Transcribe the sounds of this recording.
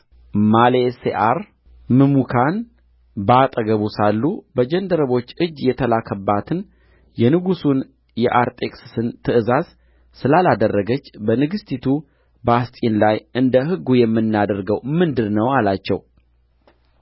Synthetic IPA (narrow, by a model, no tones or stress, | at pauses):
maleseʔaɾ | mɨmukʰan | bəat̪ʼəɡəβusalːubəd͡ʒɛnd̪əɾəβo̞t͡ʃːɨd͡ʒːjɛt̪ʰəlakʰəbːat̪ʰɨn | jɛnɨɡusun | jɛʔaɾt̪ʼe̞ksɨ̥sɨnt̪ʰɨʔɨzaz | sɨlalad̪ərːəɡət͡ʃːbənɨɡɨst̪ʰit̪ʰu | bast̪ʼinlajʔɨnd̪əɦɨɡːujɛmːɨnːad̪əɾɡəwmɨnd̪ɨdnəwalat͡ʃːɛw